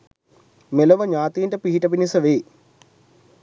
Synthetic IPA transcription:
melɐʋɐɲaːt̪iːɳʈɐpiɦiʈɐpinisɐʋeː

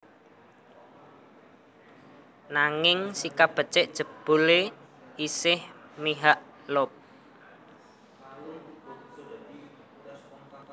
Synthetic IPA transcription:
naŋɪŋsikab̥ə̤t͡ʃɪʔd̥ʒ̥ə̤b̥ṳle | isɪhmiɦaʔ | lʊp̚

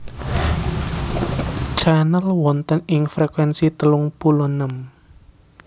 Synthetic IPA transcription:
t͡ʃanəlwɔnt̪ənɪŋfɾekwɛnsit̪əluŋpulɔnəm

